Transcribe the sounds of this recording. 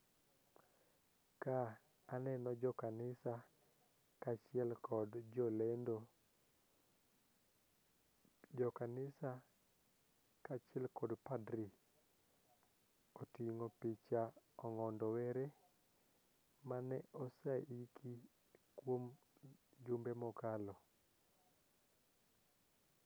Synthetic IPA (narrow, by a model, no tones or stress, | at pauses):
kaː | nɛnɔd͡ʒɔkanɪsa | kat͡ʃɪɛlkɔdd͡ʒɔlɛndo | d͡ʒɔkanɪsa | kat͡ʃɪɛlkɔdpadɾi | otiŋopit͡ʃaɔŋɔndɔwɛɾe | manɛɔsaikʰi | kwom | d͡ʒʊmbemɔkalɔ